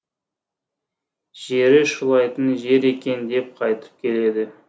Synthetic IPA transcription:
ʒ̥e̞ɾɪʃʊlˠɑjt̪ənʒe̞ɾe̞kʲe̞nd̪e̞p̚qʰɑjt̪ə̥p̚kʲʰe̞le̞d̪ɪ

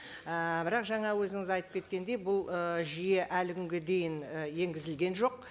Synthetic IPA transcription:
əbɪɾɑqʒɑɴɑwɵzɪŋɪzɑjt̪ə̥p̚kʲe̞t̪kʲe̞nd̪e̞jbʊlˠəʒije̞ʔælɪkʲʰʏŋɡʲe̞d̪e̞jɪnəje̞ŋɡʲɪzɪlɡʲe̞nʒo̞q

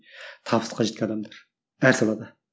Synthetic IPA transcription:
t̪ʰɑpsqːɑʒet̪kʰʲɛnd̪ɑmd̪ɑɾ | æɾsɑlˠɑd̪ɑ

